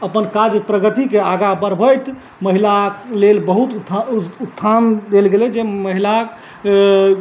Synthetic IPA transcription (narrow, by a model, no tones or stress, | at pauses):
əpənkad͡ʒjəpɾəɡət̪ikeaɡabəɾbʱəjt̪ | məɦilalelbəɦut̪ut̪ʰːand̪elɡelɛd͡ʒeməɦila